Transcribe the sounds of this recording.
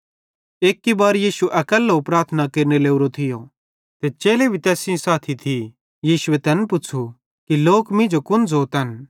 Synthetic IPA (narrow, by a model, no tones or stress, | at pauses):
eːkːibaːɾjiːʃuʔɐkəlɦopɾaːɾt̪ʰənakeːɾneleːuɾot̪ʰɪjo | t̪et͡ʃeːlebʱit̪ɛːsɪ̃õsaːt̪ʰit̪ʰi | jiːʃuet̪ɛːnpʊt͡ʃʰu | kiloːkmɪ̃d͡ʒokʊnd͡zoːt̪ɐn